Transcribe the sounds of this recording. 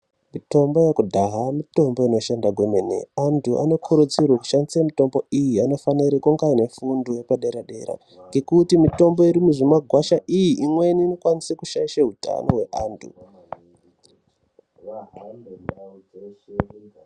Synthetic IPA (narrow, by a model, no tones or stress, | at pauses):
mito̞mbo̞jekudʱaɦamito̞mbo̞ino̞ʃendaɡwemenḛantʰuʔa̰no̞kʰuɾut͡sirwaku̥ʃandisamito̞mbo̞ijiano̞faniɾekuŋɡaine̞fundojepaɗeɾaɗe̞ɾa̰ | ŋɡe̞kutimito̞mbo̞iɾimuʐimaɡʱwaʃaʔijiʔimwe̞niːno̞kwanisekuʃaiʃaɦuta̰no̞̰we̞ʔaːntʰṵ